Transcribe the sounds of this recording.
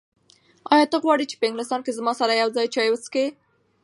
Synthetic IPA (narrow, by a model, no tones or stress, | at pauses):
ɑjɑt̪əɣwɑɽit͡ʃe̥pəɪŋɡlɪs̬t̪ɑnkezmɑsaɾajawzɑjt͡ʃɑjwəske